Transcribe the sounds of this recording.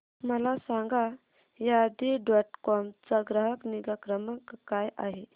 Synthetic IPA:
məlasãŋɡa | jad̪iɖɔʈkɔmt͡saɡɾəɦəkniɡakɾəməkkːajʔa̰ɦe

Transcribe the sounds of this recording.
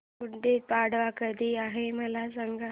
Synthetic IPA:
uʈːepaɽʋakəd̪ʱiːaɦeməlas̬əŋɡa

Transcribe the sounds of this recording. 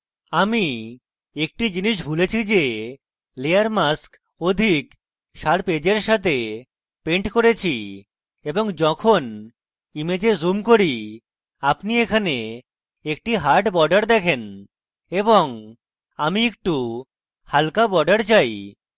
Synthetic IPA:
ami | ek̚ʈid͡ʑiniʃ̬bʱulet͡ɕʰid͡ʑe | leaɾmask | od̪ʱik | ʃaɾped͡ʑeɾʃat̪ʰe | peɳʈkoɾet͡ɕʰi | eboŋd͡ʑɔkʰon | imed͡ʑezumkoɾi | apniekʰane | ek̚ʈiɦaɾʈbɔɾɖaɾd̪ɛkʰen | eboŋ | amiek̚ʈu | halkabɔɖaɾt͡ɕaj

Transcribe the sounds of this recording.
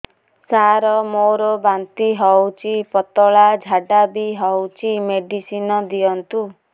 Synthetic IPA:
saɾɔmoɾɔbant̪iɦɔwt͡ʃʰipɔt̪ɔɭad͡ʒʱaɖabiɦɔwt͡ʃʰimeɖisinɔd̪ijɔnt̪u

